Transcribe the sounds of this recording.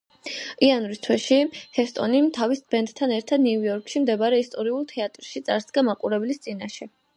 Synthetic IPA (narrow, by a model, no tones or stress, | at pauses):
ianɾist̪ʰwɛʃihɛst̪ʼɔ̰nimt̪ʰavisbɛnd̪t̪ʰːanɛɾt̪ʰad̪niujɔɾkʼʃimd̪ɛbaɾɛist̪ʼɔɾiulˠt̪ʰɛat̪ʼɾʃit̪sʼaɾsd̪ɡamaqʼuɾɛblist̪sʼinaʃɛ